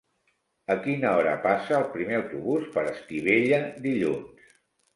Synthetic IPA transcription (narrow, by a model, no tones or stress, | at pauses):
əkinəɔɾə̰pasəːlˠpɾimeəwt̪uβuspəɾəst̪iβeʎəd̪iʎuns